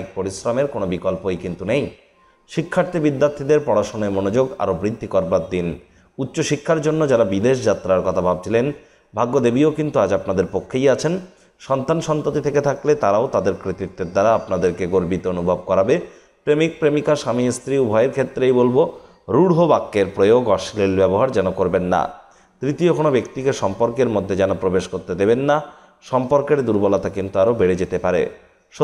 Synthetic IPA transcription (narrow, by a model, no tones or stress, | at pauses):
k̚poɾisɾameɾkonobikɔlpojkint̪unej | ʃikʰːaɾt̪ʰibid̪ːaɾt̪ʰid̪eɾpɔɽaʃonaemonod͡ʑoɡa̰ɾobɾid̪ʱːikɔɾbaɾd̪in | utːɕoʃikʰːaɾd͡ʑonːod͡ʑaɾabid̪eʃ̬d͡ʑat̪ːɾaɾkɔt̪ʰabʱab̚t͡ɕʰilen | bʱaɡːod̪ebiokint̪uad͡ʑapnad̪eɾpokʰːejat͡ɕʰen | ʃɔnt̪anʃɔnt̪ot̪it̪ʰeket̪ʰaklet̪aɾaot̪ad̪eɾkɾit̪it̪ːeɾd̪aɾaapnad̪eɾkeɡoɾbit̪oonubʱab̚kɔɾabe | pɾemik̚pɾemikaʃamist̪ɾiubʱɔjeɾkʰet̪ːɾejbolbo | ɾuɽɦobakːeɾpɾojoɡɔʃlilbɛboɦaɾd͡ʑɛnokoɾbenːa̰ | t̪ɾit̪iokonobekt̪ikeʃɔmpoɾkeɾmod̪ʱːed͡ʑɛnopɾobeʃkoɾt̪ed̪ebenːa | ʃɔmpoɾkeɾd̪uɾbɔlat̪akint̪uaɾobeɽed͡ʑet̪epaɾḛ | ʃ